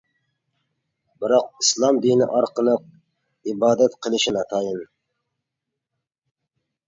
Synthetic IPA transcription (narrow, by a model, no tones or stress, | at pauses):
bɪɾɑq̚islˠɑmd̪inɪ̰ʔɑɾqəlˠəq̚ | ibɑːd̪æt̪qʰəlˠɪʃɪnɛt̪ʰɑjən